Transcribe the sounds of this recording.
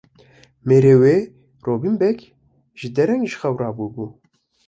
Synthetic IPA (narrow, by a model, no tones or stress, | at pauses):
meːɾeːweː | roːbimbɛk | ʒ̥ɪd̪ɛɾɛŋʒxɛwrɑːbubuː